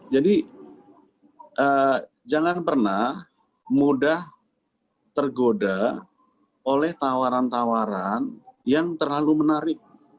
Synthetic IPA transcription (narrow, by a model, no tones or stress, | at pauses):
d͡ʒadi | ʔəː | d͡ʒaŋanpərnah | mudah | t̪ərɡoda | olɛht̪awaɾant̪awaɾanjaŋt̪ərlalumənaɾɪk̚